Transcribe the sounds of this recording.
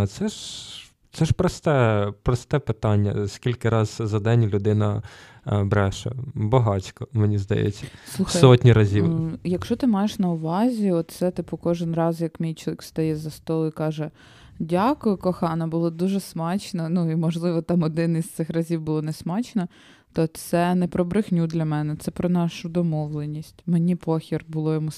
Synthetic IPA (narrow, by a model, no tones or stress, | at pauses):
t̪sɛʒ | t̪sɛʃpɾɔst̪ɛpɾɔst̪ɛpɪt̪ɑnʲːɐ̰skʲilʲkɪɾɑzzɐd̪ɛnʲlʲʊd̪ɪnɐ | bɾɛʃɐ̰bɐɦɑt͡sʲkɔmenʲizd̪ɐ̰jɛ̰t͡sʲːɐsluxssɔtʲnʲiɾɐzʲiwjɐkʃt͡ʃɔt̪ɪmɑjeʃnɐʊʋɑzʲiɔt̪sɛt̪ɪpʊkɔʒɪnrɑzjɐkmʲijt͡ʃʊlˠʋikst̪ɐjɛzɐst̪ɔlˠʊikɑʒɛ | dʲakʊjʊkɔxɑnɐbʊlˠɔd̪uʒɛsmɑt͡ʃnɐnuimɔʒlˠɪʋɔt̪ɑmɔd̪ɪnist̪sɪxrɐzʲiwbʊlˠɔnɛsmɑt͡ʃnɐ | t̪ɔt̪sɛnɛpɾɔbɾɪxnʲud̪lʲɐmɛnɛt̪sɛpɾɔnɑʃʊd̪ɔmɔʋlˠenʲisʲtʲmenʲipɔxʲirbʊlˠɔjɔmu